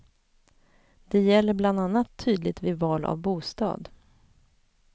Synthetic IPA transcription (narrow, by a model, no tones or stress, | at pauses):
d̪̥ɛjɛlːəbland̪anːat̪ʰːyːd̪lɪt̪vɪvɑːla̰vbuːst̪ɑ̰ːd̪